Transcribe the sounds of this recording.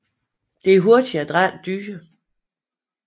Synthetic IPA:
d̥e̝æɐɦo̝ɐd̥iæd̥ʁan̰d̥yːə

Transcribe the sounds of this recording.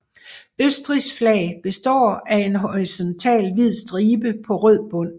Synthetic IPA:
øsd̥ʁisflɛɪb̥e̝sd̥ɒ̰ːæe̝nɦoʁisɒ̽nt͡sʰɛ̰ːlʋið̰ˠsd̥ʁiːb̥əpʰɒ̽ʁøð̰ˠb̥ɔ̽n̰

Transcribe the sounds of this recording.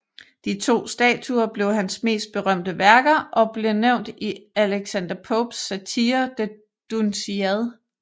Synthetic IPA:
d̥it͡sʰo̝̰ːsd̥ɛ̰ːt͡sʰuɐb̥le̝ʊɦænsme̝̰ːsd̥̚b̥e̝ʁɶm̰d̥əʋæɐɡ̥ɐʔɒ̽b̥le̝neʊ̰nd̥iæleɡ̥sænd̥ɐpʰɔb̥sæt͡sʰiɐd̥e | d̥unsiæðˠ

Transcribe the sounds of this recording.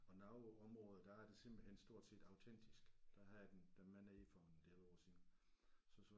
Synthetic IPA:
ɒ̽nɑ̈ʊɒ̽mʁɔ̽ːð̩ˠd̥ææɐd̥e̝sem̰b̥l̩hensd̥o̝ɐ̰d̥se̝̰ːd̥ɑ̈ʊt͡sʰen̰d̥isɡ̥d̥æhɑjd̥end̥æmænæifɒnd̥eosḭn | sɒ̽sɒ

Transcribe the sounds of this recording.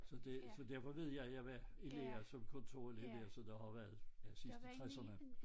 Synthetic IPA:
sɒ̽d̥esɒd̥æɐfɒ̽ʋe̝ð̞̰ˠjɑ̈ɪjæʋæeleɐsɒ̽mkʰɔ̽nt͡sʰo̝̰ɐ̰eledeɐsɒd̥ɑhɑ̈ʋæɐð̩ˠæsisd̥ət͡sʰʁɛsɐnə

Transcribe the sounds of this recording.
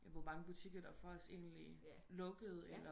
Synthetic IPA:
jæʋɒmɑ̈ŋəb̥ut͡sʰiɡ̥ɐd̥ɑ̈fɒɒse̝̰ːnli | lɔ̽ɡ̥əð̞̩ˠelɐ

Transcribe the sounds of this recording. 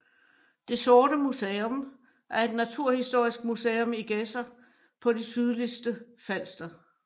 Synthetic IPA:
d̥e̝sɔːɾəmuseːom | ʔæɐe̝d̥næt͡sʰuɐ̰hisd̥o̝ɐ̰isɡ̥̚museːɔmiɡ̥esɐ | pʰɒ̽d̥isyðˠlisd̥ə | fæn̰sd̥ɐ

